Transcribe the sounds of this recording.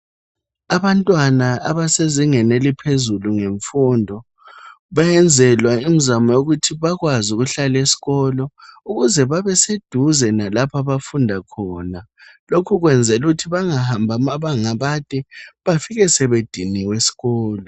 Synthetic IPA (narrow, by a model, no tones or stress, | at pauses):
aβantʼwanaa̰βaseziŋɛnelipʰezuluŋeɱfundʱɔ | βajɛnd͡zʱɛlwaim̩zamɔjoɣutʰiβaɣwazuɣuɬalesi̥ɣɔlɔuɣuzɛβaβɛsed̥ʱuzɛnalapʰaβafundʱakʰɔːna | lokʰuɣwɛnd͡zʱɛluɣutʰiβaŋahambʱamaβaŋaβatʼɛβafiɣɛsɛβed̥ʱiniwesi̥ɣɔːlɔ